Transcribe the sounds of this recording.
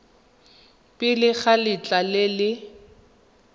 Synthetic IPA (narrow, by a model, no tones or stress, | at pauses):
pʼɪlɪɣalɪt͡ɬʼalɪlɪ